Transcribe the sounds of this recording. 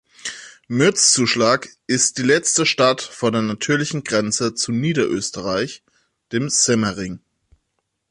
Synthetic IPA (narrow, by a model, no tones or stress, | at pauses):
mʏɐt͡st͡suːʃlaːkʔɪst̚d̥iːlɛt͡stəʃtatfoːɐdeːɐnatʰyːɐlɪçn̩ɡʁɛnt͡sət͡suniːdɐʔøːstəʁaɪç | d̥eːmz̥ɛmɐʁɪŋ